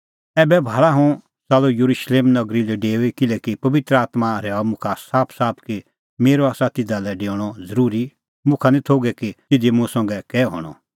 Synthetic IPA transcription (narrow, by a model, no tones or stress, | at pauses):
ɛːbɛbʱaːɭaɦʊ̃ | saːlojɐɾuʃleːmnɐɡɾilɛɖeːoikɪlɛkipɐʋɪt̪ɾəaːt̪maɾɛːɔmʊ̃kʰasaːpʰsaːpʰki | meːɾoaːsat̪ɪd̪alɛɖeːɽ̃ɔzɐɾuːɾi | mʊ̃kʰanĩt̪ʰoːɡɛkit̪ɪd̪imʊ̃sɔ̃ŋɡɛkɛːɦo̰ːɽ̃ɔ̰